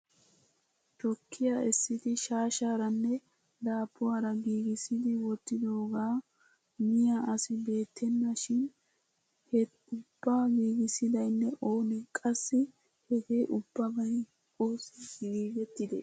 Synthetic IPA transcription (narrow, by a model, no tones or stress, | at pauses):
t̪ɔkːɪjaɛsːɪt̪ɪʃaːʃaːɾɐnːɛ | d̪aːpːʊwaːɾɐɡiːɡɪsɪd̪ɪwɔt̪ːɪd̪o̞ːɡaː | mɪjaʔɐsɪbe̞ːt̪ʰːɛnːɐʃɪn | hɛ | ʊb̥ːaːɡiːɡɪsɪd̪ɐjnːɛʔo̞ːnɪkʼɐsːɪ | hɛɡeːʔʊb̥ːɐbɐj | oːsɡiːɡɛt̪ːɪd̪ɛ̰